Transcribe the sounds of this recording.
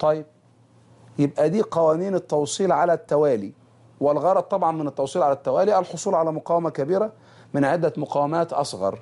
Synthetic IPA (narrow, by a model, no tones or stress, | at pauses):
t̪ˤɑjːɪb̚ | jɪbʔæd̪iːqɑwæːniːnɪt̪ːɑwsˤiːlʕalæt̪ːæwæːliː | wɪlɣɑɾˤɑd̪̚t̪ˤːɑbʕɑnmɪnɪt̪ːɑwsˤiːlʕalæt̪ːæwæːliʔælħosˤuːlʕalæːmʊqɑːwæmækæbiːɾæ | mɪnʕed̪ːæmʊqɑːwæmæːt̪ʔɑsˤɣɑ̰ɾˤ